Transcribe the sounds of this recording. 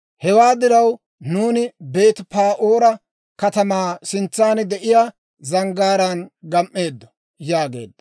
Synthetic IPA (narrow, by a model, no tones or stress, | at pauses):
hɛwaːd̪ɪɾɐw | nuːnɪbe̞ːt̪paːʔoːɾɐ | kɐt̪ɐmaːsɪnt͡sːaːnd̪ɛʔɪjaː | zɐŋɡaːɾɐnɡɐmʔːe̞ːd̪ːɔ̥ | jaːɡe̞̰ːd̪ːɐ̥